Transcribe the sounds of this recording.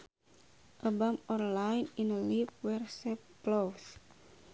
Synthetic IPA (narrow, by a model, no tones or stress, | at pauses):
ʔəbamɔnlajninəlip̚wɛrsɛpplows